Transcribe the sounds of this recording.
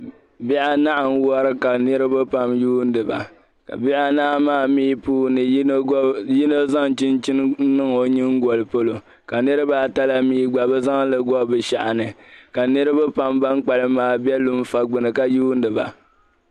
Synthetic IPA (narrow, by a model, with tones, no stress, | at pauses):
bi˦ʔa˦na˦ʔa˨n˦wɔ˦ɾɨ˦ka˨nɨ˦ɾɨ˦ba˦pa˦mjuː˦n˦dɨ˨ba̰˨ | ka̰˨bi˦ʔa˦naː˦maː˦˨miː˦puː˦nɨ˨˦ji˦no˦za˦ŋt͡ʃɪ˦nt͡ʃi˦n˦nɨ˦ŋo˨ɲɨ˦ŋ˦ɡɔ˨lɨ˨po˦lo˨ | ka˨nɨ˦ɾɨ˦ba˨ta˦la˦miː˦ɡ͡ba˨bɨ˦za˦ŋ˦lɨ˨ɡɔ˦bɨ˨ʃa̰˨ʔa˨nɨ˨ka˨nɨ˦ɾɨ˦ba˦pa˦mba˦ŋk͡pa˨lɨ˦maː˨bɛ˦lu˦m˦fa˨ɡ͡bɨ˨nɨ˨ka˨juː˦n˦dɨ˨ba̰˨